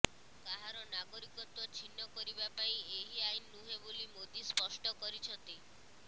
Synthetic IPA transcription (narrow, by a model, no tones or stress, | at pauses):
kaɦaɾɔnaɡɔɾikɔt̪wɔt͡ʃʰinːɔkɔɾibapaĩeɦiajnːuɦebolimod̪ispɔsʈɔkɔɾit͡ʃʰɔnt̪i